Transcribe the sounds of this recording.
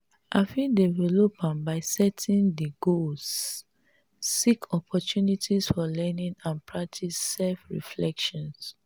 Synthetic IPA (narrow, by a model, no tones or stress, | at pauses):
ʔafĩdɛvɛlɔpãnbaɪsɛtʰĩndiɡos | sikʰɔpʰɔtunitʰisfɔlɛnĩnãnpʰɹak̚tʰisːɛlfɹḭflɛkʃɔ̃ns